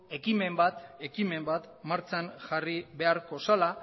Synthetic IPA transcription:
e̞kime̞mbat̪e̞kime̞mbat̪maɾt͡sanʝariβe̞aɾko̞sala

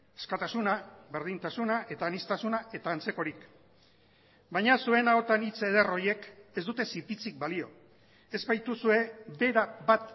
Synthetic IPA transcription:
e̥skat̪asunaβe̞ɾð̞int̪asunaʔe̞t̪aːnist̪asunaʔe̞t̪aːnt͡se̞ko̞ɾik | bajɲasue̞nao̞t̪anit͡se̞ð̞ero̞ɾje̞ke̞zd̪ut̪e̞sipit͡sik̚balio̞ | ezpajt̪usue̞de̞ɾabat̪

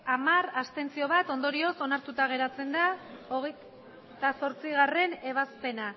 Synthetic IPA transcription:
amaɾast̪e̞nt͡sio̞β̞at̪o̞nd̪o̞ɾio̞so̞naɾt̪ut̪aɣ̞e̞ɾat͡se̞nd̪ao̞ɣej | t̪aso̞ɾt͡siɣ̞are̞ne̞β̞aspe̞na

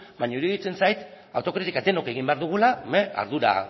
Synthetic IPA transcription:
bajɲauɾieðit͡se̞nsajt̪ | awt̪o̞kɾit̪ikad̪e̞no̞ke̞ɣimbe̞aɾðuɣ̞ulamea̰ɾðuɾa̰

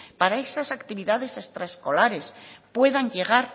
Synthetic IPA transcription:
paɾaesasakt̪iβiðaðe̞sest̪ɾaesko̞laɾe̞spwe̞ðaɲʎe̞ɣ̞aɾ

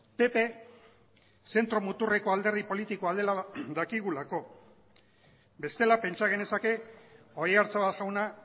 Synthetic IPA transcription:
pe̞pe̞ | se̞nt̪ɾo̞mut̪ure̞ko̞ald̪eɾðipo̞lit̪ikoald̪e̞laðakiɣulako̞ | be̞st̪e̞lape̞nt͡ʃaɣ̞e̞ne̞sake̞ | o̞jaɾt͡saβat̪ʝawna

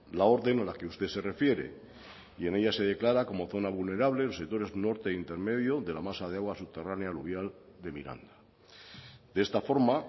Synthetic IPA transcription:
lao̞ɾðenalake̞ust̪ese̞re̞fje̞ɾe̞̰ | ie̞ne̞ʎase̞ð̞e̞klaɾako̞mo̞θo̞naβulne̞ɾaβ̞le̞losek̚t̪o̞ɾe̞zno̞ɾt̪e̞int̪e̞ɾme̞ðjoðe̞lamasað̞e̞aɣwasup̚t̪e̞ranealuβjal | d̪e̞mḭɾa̰nd̪a | d̪̥eest̪afo̞ɾma

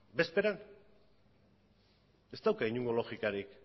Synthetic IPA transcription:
be̞spe̞ɾan | e̞st̪awkaiɲuŋɡo̞lo̞xikaɾik

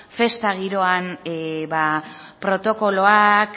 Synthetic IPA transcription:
fe̞st̪aɣ̞iɾo̞anbapɾo̞t̪o̞ko̞lo̞ak

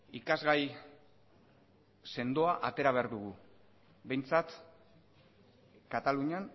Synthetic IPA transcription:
ikazɣaj | se̞nd̪o̞aʔat̪e̞ɾaβe̞aɾðuɣu | be̞jnt͡sat̪ | kat̪aluɲan

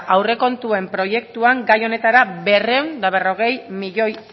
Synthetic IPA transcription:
awre̞ko̞nt̪ue̞mpɾo̞je̞kt̪uaŋɡajo̞ne̞t̪aɾabe̞re̞wnd̪aβ̞e̞ro̞ɣ̞e̞jmiʎo̞j

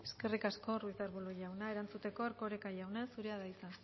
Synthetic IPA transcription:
e̞ske̞rikasko̞ruisaɾβuloʝawnae̞ɾant͡sut̪e̞ko̞eɾko̞ɾekajawnesuɾeaðajt͡san

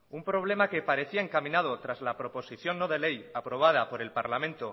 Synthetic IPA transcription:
umpɾo̞β̞le̞make̞paɾe̞θiaeŋkamĩnað̞o̞t̪ɾazlapɾo̞po̞siθjo̞nːoðe̞le̞japɾo̞β̞að̞apo̞ɾe̞lpaɾlamẽ̞nt̪o̞

